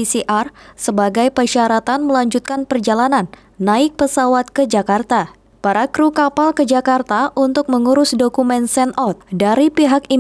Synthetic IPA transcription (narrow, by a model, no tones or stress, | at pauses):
isiʔarsəbaɡajpərʃaɾat̪anməlaɲd͡ʒut̪̚kanpərd͡ʒalananː | aɪk̚pəsawat̪̚kəd͡ʒakart̪a | paɾakɾukapalkəd͡ʒakart̪aʔunt̪ʊk̚məŋuɾʊsdokumɛnsɛnɔt̪̚daɾipiɦak̚i